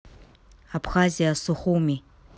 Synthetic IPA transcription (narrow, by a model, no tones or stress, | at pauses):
apχaːzijasɨχʷowmiː